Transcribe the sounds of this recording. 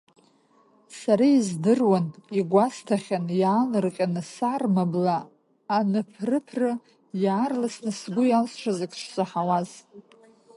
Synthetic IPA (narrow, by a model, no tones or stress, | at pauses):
saɾaizdɨrwaniɡʷastʰaχʲanjaːlɨrqʲʼanɨsarmablaː | nɨpʰrɨpʰrɨ | jaːrlasnɨsɡʷʊjalsʂʷʰazɨkʲʰʼʂʷsʼɨħawaz